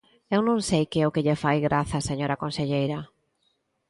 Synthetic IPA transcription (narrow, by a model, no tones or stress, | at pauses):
ewnõŋsejkɪɛʊkɪʎefajɣɾʔaθɐseɲoɾɐkõnseʎejɾɐ